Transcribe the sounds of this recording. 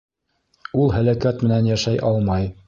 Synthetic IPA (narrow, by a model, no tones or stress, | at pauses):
ulˠhælækæt̪mɘ̆nænjæʃæjʔɑlˠmɑj